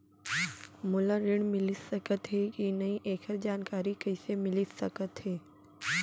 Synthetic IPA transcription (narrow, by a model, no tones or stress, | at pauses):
mʊləɾɪɽ̃mɪlisɐkət̪ɦekinɐĩʔeːkʰəɾd͡ʑaːnkaːɾikɐɪsemɪlisɐkət̪ɦeː